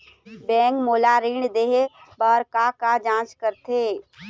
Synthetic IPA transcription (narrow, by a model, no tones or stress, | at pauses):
bɛ̃ːŋkmoːlaɾiɳd̪eɦebaːɾkakad͡ʒãːt͡ʃkəɾt̪ʰeː